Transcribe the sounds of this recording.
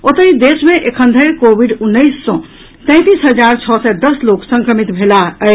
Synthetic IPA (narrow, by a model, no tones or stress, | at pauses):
ot̪əɦĩd̪esmeʔekʰə̃nd̪ʱəjkobʱiɖunːəɪsːɔ̃ | t̪ɛ̃ɪ̃t̪isɦəd͡ʒaɾt͡ʃʰɔsɛd̪əsloksə̃ŋkɾəmit̪bʱelaə